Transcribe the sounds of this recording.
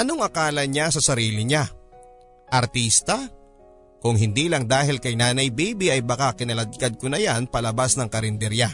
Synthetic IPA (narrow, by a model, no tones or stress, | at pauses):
ʔɐno̞ŋʔɐkaːlɐɲasɐsɐɾiːlɪɲa | ʔɐɾt̪iːst̪ɐ | kʊŋɦɪnd̪iːlɐŋd̪aːɦɪlkɐjnaːnɐjbijbiʔɐjbɐkakɪnɐlɐd̪̚kad̪̚konɐjanpɐlɐbasnɐŋkɐɾɪnd̪ɛɾja